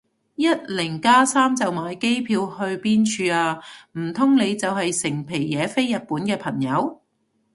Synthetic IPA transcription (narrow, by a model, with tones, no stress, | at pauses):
jɐ˥t̚lɪ˨˩ŋkaː˥saː˥mt͡sɐ˨wmaː˨˧jke˥jpʰiː˧whɵ˧ɥpiː˥nt͡ʃʰyː˧aː˧m̩˨˩t̪ʰʊ˥ŋne˨˧jt͡sɐ˨wɦɐ˨jsɪ˨˩ŋpʰe˨˩jːɛː˨˧fe˥jːɐ˨t̚puː˨˥nkɛː˧pʰɐ˨˩ŋjɐ˨˧w